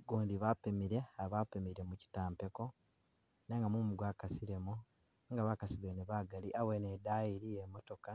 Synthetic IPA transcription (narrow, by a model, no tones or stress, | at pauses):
ɡoːndiβapemiɾeaβapemiɾe̞muci̥taːmpe̞ko̞ | neŋɡamumuɡwaːkasiɾemu | ŋɡaβakasiβeneβaːɡaliʔawenedajiɾijemo̞to̞ka